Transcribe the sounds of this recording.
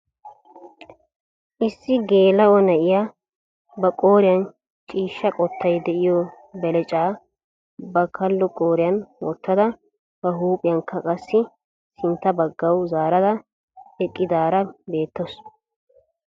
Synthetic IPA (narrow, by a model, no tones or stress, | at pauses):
ʔɪsːɪɡe̞ːlɐwɔnɐʔɪjaː | bɐkʼo̞ːɾɪjɐn | t͡ʃʼiːʃːɐkʼɔt̪ʰːɐjd̪ɛʔɪjɔ | bɛlɛt͡ʃʼaː | bɐkʰɐlːʊkʼoːɾɪjɐnwɔ̰t̪ːɐd̪ɐ | b̥ɐɦuːpʼɪjɐŋkʰːɐkʼɐsːɪ | sɪnt̪ːɐbɐɡːɐwzaːɾɐd̪ɐ | ɛkʼːɪd̪aːɾɐbe̞ːt̪ːɔs